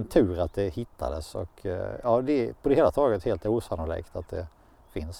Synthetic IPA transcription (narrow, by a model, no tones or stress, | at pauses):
nt̪ʰʉ̟ːɾat̪̚d̪ɛhɪt̪ʰːa̰d̪ə̰sɔ̰kʰjɑːd̪ɛpʰɔd̪ɛheːlat̪ʰɑːɡət̪heːlt̪uːsanʊlḭːkt̪at̪̚d̪ɛ̰ | fɪns